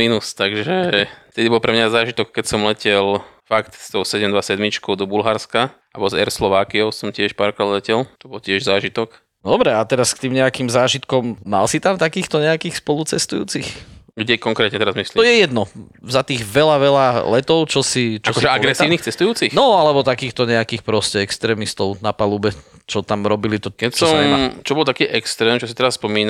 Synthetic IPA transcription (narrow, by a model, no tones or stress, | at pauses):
inust̪aɡʒɛft̪ɛd̪ibɔlpɾɛmɲazaːʒit̪ɔkːɛcsɔmlɛcɛlfakt̪st̪ɔʊsɛɟɛmnd̪ʋasɛd̪mit͡ʃkɔʊd̪ɔbulɦaɾska | abɔzɛ̰ɾslɔʋaːkiɔʊsɔmcɪɛʃpaɾkɾad̪lɛcɛlt̪ɔbɔlcɪɛʒzaːʒit̪ɔk | d̪ɔbɾɛat̪ɛɾaskt̪iːmɲɛakiːmzaːʒit̪kɔmːa̰lsit̪amt̪akiːxt̪ɔɲɛakiːxspɔlut͡sɛst̪ujṵːt͡sixɡɟɛkɔŋkɾɛt̪ɲɛt̪ɛɾazmisliɔjɛjɛd̪nɔ | zat̪iːɣʋɛlaʋɛlalɛt̪ɔʊt͡ʃɔsit͡ʃaɔkɔʒɛaɡɾɛsiːʊniːxt͡sɛst̪ujuːt͡sixnɔalɛbɔt̪akiːxt̪ɔɲɛakiːxpɾɔscɛɛkst̪ɾɛːmist̪ɔʊnapalubɛ | t͡ʃɔt̪amɾɔbilit̪ɔkɛsɔmt͡ʃɔbɔlt̪akiːʔɛkst̪ɾɛːmt͡ʃɔsi̥t̪ɛɾasːpɔmiːna